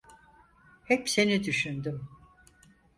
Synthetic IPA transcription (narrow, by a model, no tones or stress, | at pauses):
hɛpse̞nid̪yʃynd̪ym